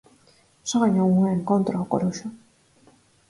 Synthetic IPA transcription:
soɣaɲaɣuŋeeŋkont̪ɾakoɾuʃo

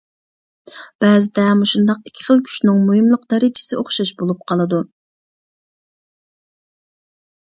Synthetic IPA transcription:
b̥ɛːzɪd̪ɛmuʃund̪ɑqikʲʰːi̥χəlˠkʲʰy̥ʃnɪŋmuhimlˠəq̚d̪ɛɾɪd͡ʒʰɪ̥sɪoχʃɑʃbolˠup̚qʰɑlˠɨd̪u

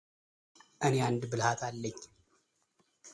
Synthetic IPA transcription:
ʔɨneand̪bɨlhat̪ʰalːəɲː

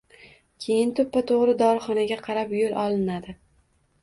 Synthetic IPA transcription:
kʲʰe̞jɪnt̪ʰʊpːat̪ʰoʁɾɪd̪ɒɾχɒnaɡʲaqʰɑɾapjolˠʔɒlˠɪnad̪ɪ

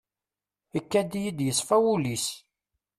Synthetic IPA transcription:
əkːæd̪ijid̪jəsˤfæwulis

